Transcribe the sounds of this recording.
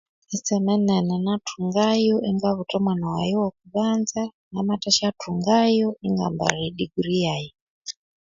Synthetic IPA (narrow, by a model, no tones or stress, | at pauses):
isɛmɛnɛnɛnatʰuŋɡajɔʔiŋɡaβutɔmwanawa̰jiwɔkuβand͡za | namataʃatʰuŋɡajɔiŋɡa̰mba̰ɾiɗiɡuɾijaːji